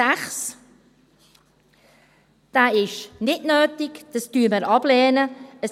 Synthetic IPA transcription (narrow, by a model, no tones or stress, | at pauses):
æχs | d̥æːɪʃnɪdnøːtɪkd̪̥ɑstyːəməɾʔɑb̥lɛːnəəs